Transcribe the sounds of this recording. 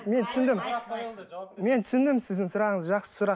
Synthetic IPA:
me̞nt̪ʰʏ̥sɪnd̪ɪm | me̞nt̪ʰʏ̥sɪnd̪ɪmsɪzd̪ɪŋsʊɾɑʁəɴəzʒɑqsə̥sʊɾɑ

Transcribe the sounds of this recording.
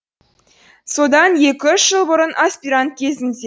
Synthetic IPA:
sod̪ɑnjekʲɪʏʃːɨlˠbəɾənʔasʲpʲiɾant̪̚kʲezʲɪ̆ndʲe

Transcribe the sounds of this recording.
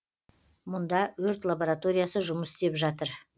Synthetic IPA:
mʊnd̪ɑwɵɾt̪lˠabo̞ɾat̪o̞ɾijasəʒʊməsɪ̥st̪e̞pʒɑt̪əɾ

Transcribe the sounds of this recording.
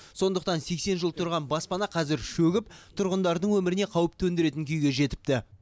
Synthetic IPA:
so̞nd̪əqt̪ɑnse̞kse̞nʒəlˠt̪ʰʊɾʁɑnbɑspɑnɑqʰɑzɪɾʃɵɡʲɪpt̪ʰʊɾʁənd̪ɑɾd̪əɴwɵmɪɾɪne̞qʰɑwəp̚t̪ʰɵnd̪eɾe̞t̪ɪŋkʲʰyjɡʲe̞ʒe̞t̪ɪ̥p̚t̪ɪ

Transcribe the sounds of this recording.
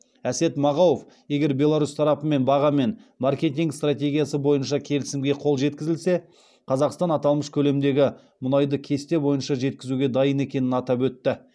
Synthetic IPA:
æse̞t̪mɑʁɑwof | je̞ɡʲe̞ɾbʲe̞lˠaɾust̪ʰɑɾɑpəme̞nbɑʁɑme̞nmarkʲe̞t̪ʲiŋkst̪rat̪ʲe̞ɡʲijasəbo̞jənʃɑkʲʰe̞lɪsɪmɡʲe̞qʰo̞lˠʒe̞t̪̚kʲɪzɪlse̞ | qʰɑzɑqst̪ɑnɑt̪ɑlˠməʃkʲʰɵle̞md̪e̞ɡʲɪ | mʊnɑjd̪əkʲʰe̞st̪e̞bo̞jənʃɑʒe̞t̪̚kʲɪzuɡʲe̞d̪ɑjəne̞kʲe̞nɪnɑt̪ɑpwɵt̪ːɪ

